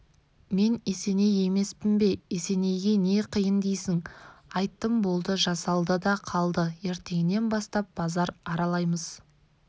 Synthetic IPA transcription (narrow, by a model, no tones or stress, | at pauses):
me̞nese̞ne̞je̞me̞spɪmbe̞ese̞ne̞jɡʲe̞ne̞qʰijənd̪ejsɪŋɑjt̪ːəmbo̞lˠd̪əʒɑsɑlˠd̪əd̪ɑqʰɑlˠd̪əe̞ɾt̪eɡɪne̞nbɑst̪ɑp̚b̥ɑzɑɾɑɾɑlˠɑjməz